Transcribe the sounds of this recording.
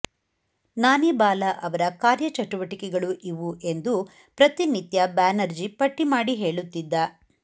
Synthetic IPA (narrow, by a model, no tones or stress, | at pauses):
naːnibaːlɐʔɐʋɐɾɐkaːɾjɐt͡ʃɐʈuʋɐʈikɛɡɐɭuʔiʋuʔe̞nd̪u | pɾɐt̪init̪jɐbaːnɐɾd͡ʒipɐʈːimaːɽiɦe̞ːɭut̪ːid̪ːɐ